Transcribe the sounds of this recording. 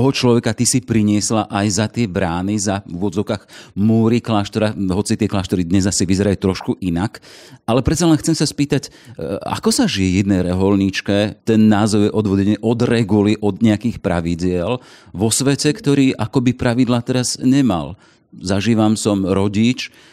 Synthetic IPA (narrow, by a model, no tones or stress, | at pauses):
t̪ɔɦɔt͡ʃlɔʋɛkat̪isipɾiɲɪɛslaʔajzat̪ɪɛbɾaːnizaʋʊɔd̪d͡zɔʊkaɣmuːɾiklaːʃt̪ɔɾaɦɔt͡sit̪ɪɛklaːʃt̪ɔɾid̪ɲɛzasiʋizɛɾajut̪ɾɔʃkuʔinakalɛpɾɛt̪t͡salɛnxt͡sɛmsaspiːt̪ac | a̰kɔsaʒijɛjɛd̪nɛjɾɛɦɔlɲit͡ʃkɛt̪ɛnːaːzɔʊjɛʔɔd̪ʋɔdɛɲɛʔɔd̪ɾɛɡuliʔɔd̪ɲɛakiːxpɾa̰ʋiɟɪɛl | ʋɔsʋɛcɛkt̪ɔɾiːʔakɔbipɾaʋid̪lat̪ɛɾaz̥ɲɛma̰l | zaʒiːʋamsɔmɾɔɟit͡ʃ